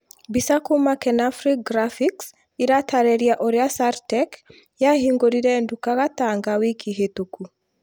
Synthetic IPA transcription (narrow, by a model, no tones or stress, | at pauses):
bisakumakɛnafɾik̚ɡɾafiks | iɾatʰaɾɛɾiaʔɔɾjasaɾtɛk | jaɦiŋɡoɾiɾɛndukakat̪aŋɡawikʰiɦetoku